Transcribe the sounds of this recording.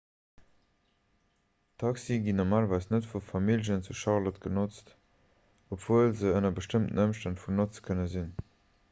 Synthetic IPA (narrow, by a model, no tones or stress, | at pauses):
tʰɑksiɡinoʁmaːlvɑɪsnətfufɑmilʑənt͡suʃɑlɐtɡ̥ənot͡st | opv̥uəlzəənɐbəʃtəmtən̩əmʃtəntfunot͡skʰənəzin